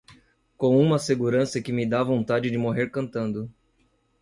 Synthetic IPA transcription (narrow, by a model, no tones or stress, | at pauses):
kõw̃ũmɐseɡuɾɐ̃sɐkɪmɪd̪avõnt̪ad͡ʒɪd͡ʒɪmoɦeɾkɐ̃nt̪ɐ̃nd̪ʊ